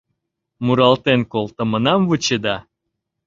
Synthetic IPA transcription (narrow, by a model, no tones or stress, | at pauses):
muɾɑlt̪enkolt̪ə̆mənɑmvɨt͡ɕed̪ɑ